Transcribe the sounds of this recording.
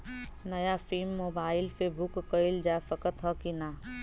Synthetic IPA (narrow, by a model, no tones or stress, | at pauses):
nɐjafilmːoːbaːɪlfebʊkːəild͡ʒafəkət̪ɦɔkinaː